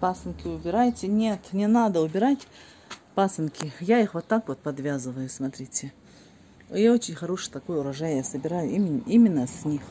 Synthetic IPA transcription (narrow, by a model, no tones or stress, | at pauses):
pasɨnkʲɪʊbʲɪɾajtʲɪnʲet̪nʲɪnad̪əʊbʲɪɾatʲ | pasɨnkʲɪjaixvot̪ːakvot̪̚pɐd̪vʲazɨvəjʊsmɐt̪ɾʲitʲɪ | jaot͡ɕɪnʲxɐɾoʂɨt̪ɐkojʊɾɐʐajjasəbʲɪɾajʊimʲɪnimʲɪnːəsʲnʲix